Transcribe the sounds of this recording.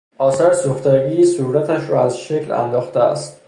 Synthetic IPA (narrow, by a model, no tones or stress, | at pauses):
ʔɒːsæɾsoxt̪æɡiːsuɾæt̪ʰæʃɾɒːæzʃecʰlæ̰nd̪ɒːxt̪eæ̰st̪